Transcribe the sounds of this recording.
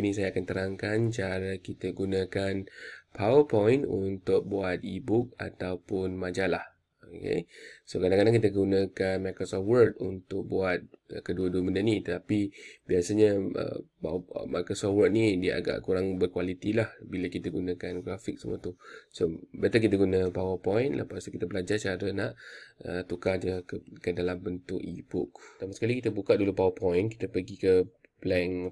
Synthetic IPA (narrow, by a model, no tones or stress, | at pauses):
nisajaːkant̪əɾaŋkant͡ʃaɾakit̪əɡunãkanpʰawəpɔjnṵnt̪ʊk̚buat̪̚ibʊk̚a̰t̪awpʊnmãd͡ʒalah | okḛsokadãŋkadaŋkit̪əɡunə̃kanmakɾosɔfwərt̪̚unt̪ʊk̚buat̪̚əkəduəduəməndanĩt̪ət̪apibiasaɲəə̰pa̰makəsɔfwərt̪̚nidiəʔa̰ɡa̰ʔkuɾaŋbərkwalit̪ilahbiləkit̪əɡunə̃kanɡɾafɪk̚səmuat̪usobəat̪akit̪əɡunə̃pawəpɔjnlʔə̰past̪kit̪əbəlad͡ʒat͡ʃaɾənaʔə̰t̪ukahd͡ʒəkədalambənt̪ʊ̰ʔḭbʊ̰kt̪amasəkalikit̪əbukaʔdulupawəpɔjnki̥t̪əpəɡikəplɛn